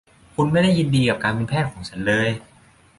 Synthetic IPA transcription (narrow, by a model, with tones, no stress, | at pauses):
kʰu˧nma˥˩jda˥˩jːi˧ndiː˧kaː˨˩p̚kaː˧npi˧npʰɛː˥˩t̪̚kʰɔː˩˦ŋt͡ɕʰa˦˥nlɤː˧j